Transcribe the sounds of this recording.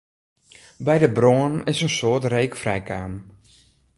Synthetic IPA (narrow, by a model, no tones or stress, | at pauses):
bɛjdəbronnɪsənsoːrtreːkfrɛjkaːm